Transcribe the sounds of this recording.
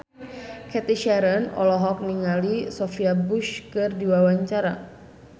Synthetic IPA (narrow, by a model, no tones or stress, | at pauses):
kɛt̪iʃaɾənɔ̰lɔɦɔk̚niŋalisɔfiabuʃkɨrdiwawaɲt͡ʃaɾa